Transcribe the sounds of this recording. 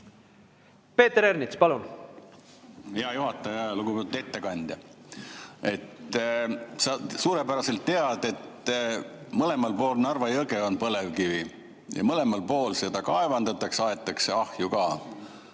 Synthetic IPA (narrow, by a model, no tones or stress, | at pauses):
pe̞ːt̪eɾeɾnit̪spɑlun | heɑjuɦɑt̪ːˑɑjɑluɡupe̞t̪ud̪e̞t̪ːe̞kɑnʲd̪̥jɑ | e̞t̪ | sɑsuːɾe̞pæɾɑse̞lt̪ːe̞ɑd̪̥e̞t̪ː | mɤle̞mɑlpo̞ːlnɑrvɑjɤɡe̞onpɤle̞vkivi | jɑ̰mɤle̞mɑlpo̞ːlse̞d̪̥ɑkɑevɑnd̪ɑt̪ːˑɑksɑet̪ːˑɑkse̞ɑhjukɑː